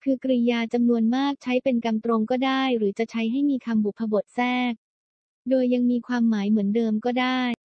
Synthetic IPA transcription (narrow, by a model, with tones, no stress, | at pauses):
kʰɯ˧kɾi˧jaː˧t͡ɕa˧mnu˧ənmaː˥˩k̚t͡ɕʰa˦˥jpe˧nka˧mt̪ɾo˧ŋkɔː˥˩daː˥˩jɾɯː˩˦t͡ɕa˨˩t͡ɕʰa˦˥jɦa˥˩jmiː˧kʰa˧mbu˨˩pʰa˧bo˨˩t̪̚sɛː˥˩k̚ | doː˧jːa˧ŋmiː˧kʰwaː˧mːaː˩˦jmɯ˩˦əndɤː˧mkɔː˥˩daː˥˩j